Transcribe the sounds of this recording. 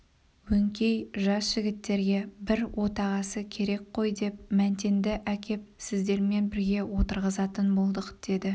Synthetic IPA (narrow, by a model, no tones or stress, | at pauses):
wɵŋkʲe̞jʒɑsʒ̥ɪɡʲɪt̪ːe̞ɾɡʲe̞bɪɾwʔo̞t̪ɑʁɑsəkʲʰe̞ɾe̞k̚qʰo̞jd̪e̞pmænt̪e̞nd̪ɪʔækʲe̞p̚sɪzd̪e̞ɾme̞nbɪɾɡʲe̞wo̞t̪əɾʁəzɑt̪ənbo̞lˠd̪əqd̪̥e̞d̪ɪ